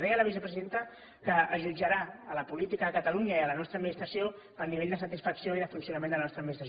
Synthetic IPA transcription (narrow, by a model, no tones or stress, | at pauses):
ðeələβ̞isəpɾəziðent̪ə | kəːʒud͡ʒəɾaələpulit̪ikəðəkət̪əluɲəiələnɔst̪ɾəd̪minist̪ɾəsjo | əniβeʎd̪əsət̪isfəksjoiðəfunsjunəmend̪ələnɔst̪ɾəminist̪ɾs